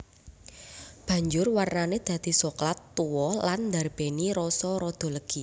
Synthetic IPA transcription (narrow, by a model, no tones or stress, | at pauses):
b̥ä̤ɲd͡ʒʊrwarnaned̪̥ä̤d̪̥i̤sɔklat̪ːuwɔland̪arb̥e̤niɾɔsɔɾɔd̪̥ɔ̤ləɡ̥i